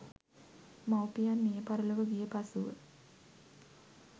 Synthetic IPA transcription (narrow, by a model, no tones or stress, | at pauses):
mawpijanːijəpaɾəluʋəɡijəpasuʋə̰